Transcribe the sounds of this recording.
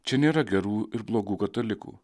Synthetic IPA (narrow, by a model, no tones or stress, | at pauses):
t͡ʃʲɛnʲeːɾɐɡʲɛɾuːɪɾblˠoːɡuːkɐt̪ɐlʲɪkṵː